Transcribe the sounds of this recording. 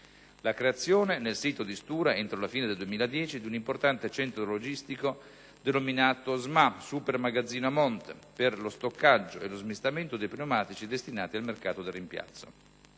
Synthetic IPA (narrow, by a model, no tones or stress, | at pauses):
lakɾeat̪sːjoːnenelsiːt̪od̪ist̪uːɾaent̪ɾolafiːned̪eld̪uemiːlad̪jɛːt͡ʃid̪iunimport̪ant̪et͡ʃɛnt̪ɾoolod͡ʒist̪iko | d̪enominaːt̪ozmasupermaɡad̪zːiːnoamɔnt̪perlost̪okːad͡ʒːoelozmist̪ament̪od̪ejpɾinomaːt̪it͡ʃid̪est̪inaːt̪ialmerkaːt̪od̪erːimpja̰t̪sːo̰